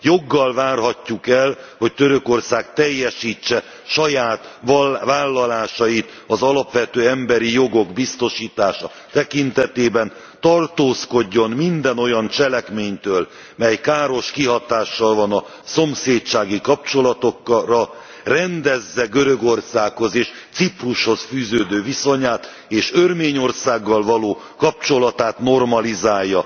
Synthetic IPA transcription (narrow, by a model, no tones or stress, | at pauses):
jo̞ɡːɒlvaːrɦɒcːukɛlho̞ct̪øɾøko̞rsaːkt̪ɛjːɛʃiːt͡ʃːɛ | ʃɒjaːt̪vaːlːɒlaːʃɒjit̪ | ɒzɒlɒpʋɛt̪øːɛmbɛɾijo̞ɡo̞ɡbist̪o̞ʃiːt̪aːʃɒ | t̪ɛkint̪ɛt̪eːbɛn | t̪ɒrt̪oːsko̞ɟːo̞nmind̪ɛno̞jɒnt͡ʃɛlɛkmeːɲt̪øːl | mɛjkaːɾo̞ʃkiɦɒt̪aːʃːɒlvɒnɒ | so̞mseːt̪t͡ʃaːɡikɒp̚t͡ʃo̞lɒt̪o̞kːrɒ | rɛnd̪ɛzːɛɡøɾøɡo̞rsaːkho̞zeːʃ | t̪sipruʃho̞sfyːzøːd̪øːviso̞ɲaːt̪ | eːʃørmeːɲo̞rsaːɡːɒlvɒloː | kɒp̚t͡ʃo̞lɒt̪aːt̪no̞rmɒlizaːjːɒ